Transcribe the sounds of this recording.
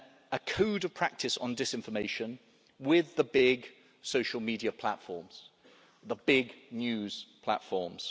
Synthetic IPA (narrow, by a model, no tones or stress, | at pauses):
əkʰʉːɾəv̥pʰɹ̥ak̚tʰɪsn̩dɪsɪ̃ɱfəmeɪʃə̃n | wɪðəbɪɡ | səʊʃəlˠmiːdiəpʰl̥a̰tfɔːmz̥ | ðəbɪɡnjʉːz̥pʰl̥a̰tfɔːmz̥